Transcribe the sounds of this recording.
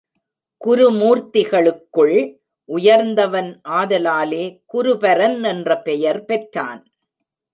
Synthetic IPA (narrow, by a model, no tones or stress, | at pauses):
kʊɾɯmuːɾt̪ɪɣɐɭɯkːɯɭ | ʔʊjɐɾnd̪ɐʋɐnʔaːðɐlaːleːkʊɾʊpɐɾɐnɛndrɐpɛjɐɾpɛʈra̰ːn